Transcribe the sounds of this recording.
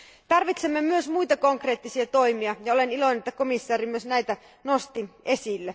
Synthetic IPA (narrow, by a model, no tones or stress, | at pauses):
t̪ɑrʋit̪semːemyøsmujt̪ɑkoŋkreːt̪ːisiɑt̪o̞imiɑjɑolenilo̞inenet̪ːækomisːɑːɾimyøsnæjt̪æ | no̞st̪ie̞silːe